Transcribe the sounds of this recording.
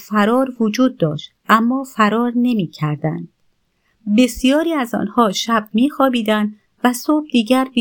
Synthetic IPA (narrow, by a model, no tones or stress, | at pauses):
fæɾɒːɾvod͡ʒuːd̪ːɒːʃt̪ʔæmːɒːfæɾɒːɾne̞miːcʰæɾd̪æ̰nd̪̥̚ | be̞sijɒːɾiːæzɒ̰ːnhɒːʃæb̥̚miːxɒːbiːd̪ænd̪ | væsoːb̚d̪iːɟæɾb